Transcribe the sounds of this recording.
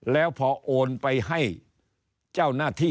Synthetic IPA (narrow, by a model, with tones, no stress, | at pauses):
lɛː˦˥wpʰɔː˧ʔoː˧npa˧jɦa˥˩j | t͡ɕaː˥˩wnaː˥˩t̪ʰiː˥˩